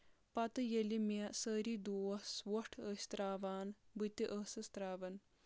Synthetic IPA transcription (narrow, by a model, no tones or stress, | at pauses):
pɐt̪ɨjelimsəːɾid̪oːɐswoʈʰəsʲt̪ɾaːʋaːnbɨt̪iʔəːsɨst̪ɾaːʋɐn